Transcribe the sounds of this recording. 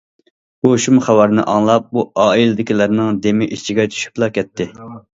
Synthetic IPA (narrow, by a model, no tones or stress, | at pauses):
b̥uʃumχæwɑɾnɨ̰ʔɑŋlˠɑp̚buɑːilɪd̪ɪkʲilæɾnɨŋd̪emɪʔit͡ʃʰiɡʲɛt͡ʃʰy̥ʃy̥plˠɑkʲʰɛt̪ʰːɪ